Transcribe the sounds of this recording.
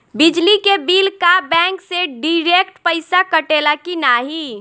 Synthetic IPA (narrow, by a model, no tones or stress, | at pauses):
bɪd͡ʒlikebiːlkabɛ̃ːŋkseɖiɾeːkʈpəɪsakəʈeːlakinaːɦi